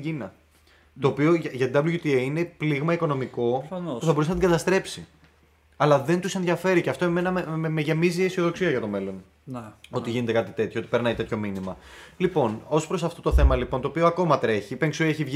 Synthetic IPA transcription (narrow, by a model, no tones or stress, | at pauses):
ɟinɐ | t̪oːpioʝɐʝɐt̪ind̪ɐbluʝut̪ieine̞pliɣmɐiko̞no̞miko̞puθɐbo̞usenɐt̪iŋɡɐt̪ɐst̪ɾe̞psi | ɐlɐðe̞nt̪usenðʝɐfe̞ɾiceɐft̪oimmenɐmemeʝe̞miziesio̞ðo̞ksiɐʝɐt̪o̞me̞lo̞n | o̞t̪iʝinet̪e̞kɐt̪it̪e̞t̪çoot̪i̥pe̞ɾnɐit̪et̪ço̞minimɐlipo̞no̞spɾo̞sɐft̪o̞t̪o̞θe̞mɐlipo̞nt̪oːpioɐko̞mɐt̪ɾe̞çipeŋksuieçivʝ